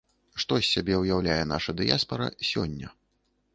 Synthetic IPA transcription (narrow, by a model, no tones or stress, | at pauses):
ʂt̪ɔsʲːabʲɛwjawlʲajɛn̪aʂɐd̪ɨjaspɐɾɐ̰sʲɔ̰nʲːɐ̰